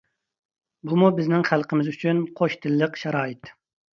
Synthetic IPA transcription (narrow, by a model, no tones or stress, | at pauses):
bumubɪznɪŋχælˠqəmɪzyt͡ʃʰynqʰoʃt̪ʰɪlːəqʃɛɾɑːjɪt̪